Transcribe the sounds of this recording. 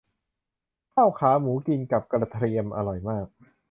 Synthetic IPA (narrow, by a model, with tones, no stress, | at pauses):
kʰaː˥˩wkʰaː˩˦muː˩˦ki˧nka˨˩p̚kɾa˧t̪ʰɾi˧əmʔa̰˧ɾɔ˨˩jmaː˥˩k̚